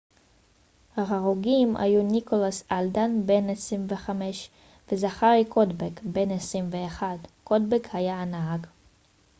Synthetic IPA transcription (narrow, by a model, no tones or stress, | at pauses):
haχaʁuɡima̰junikolasald̪anbenesʁimveχameʃ | vezaχaʁikʰodbekbenesʁimveːχad̪kodbekhajaːnaɦaɡ